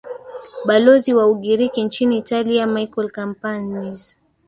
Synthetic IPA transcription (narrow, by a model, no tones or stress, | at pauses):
ɓalɔziwauɠiɾikint͡ʃiniːtaliamajkɔlkampaniz